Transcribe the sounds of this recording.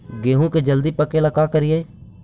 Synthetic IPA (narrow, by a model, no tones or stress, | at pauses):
ɡeːɦũːked͡ʒəld̪iːpəkeːlakaːkəɾɪjeː